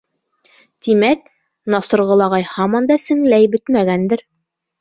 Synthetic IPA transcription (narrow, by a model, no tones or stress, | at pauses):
t̪imæk̚ | nɑsɤ̆ɾʁɤ̆lˠɑʁɑjhɑmɑnd̪ɑsɘ̆ŋlæjbɘt̪mæɡænd̪ɘɾ